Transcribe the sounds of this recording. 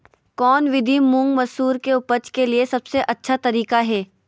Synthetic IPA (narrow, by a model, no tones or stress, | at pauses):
kɔːnʋɪd̪ʱimʊ̃ŋɡmɐsuːɾkeʊpət͡ʃkeliesɐbseʔɐtːʃʰat̪ɐɾiːkaɦɛː